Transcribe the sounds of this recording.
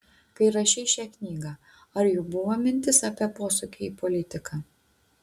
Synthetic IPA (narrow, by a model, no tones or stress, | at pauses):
kɐɪɾɐʃʲɛɪʃʲæknʲiːɡɑː | ɐɾjuːbʊʋomʲɪnʲt̪ʲɪsɑːpʲiɛpoːsʊkʲɪiːpɔlʲɪt̪ʲɪkʰɑː